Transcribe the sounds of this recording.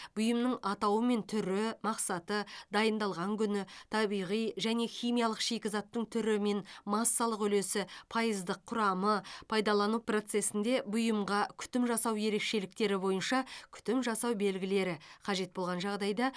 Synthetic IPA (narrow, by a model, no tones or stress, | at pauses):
b̥ʊjəmnəɴɑt̪ɑwəme̞nt̪ʰʏɾɪmɑqsɑt̪əd̪ɑjənd̪ɑlˠʁɑŋkʲʰʏnɪt̪ʰɑbijʁijʒæne̞xʲijmijɑlˠəqʃe̞kʲɪzɑt̪ːəɴt̪ʰʏɾɪme̞nmɑsːɑlˠəqʏle̞sɪpʰɑjəzd̪əqʰːʊɾɑməpʰɑjd̪ɑlˠɑnupro̞t̪se̞sɪnd̪e̞bʊjəmʁɑkʲʰʏ̥t̪ɪmʒɑsɑwje̞ɾe̞kʃe̞lɪkt̪e̞ɾɪbo̞jənʃɑkʲʰʏ̥t̪ɪmʒɑsɑwbe̞lɡʲɪle̞ɾɪqʰɑʒe̞t̪̚bolˠʁɑnʒɑʁd̪ɑjd̪ɑ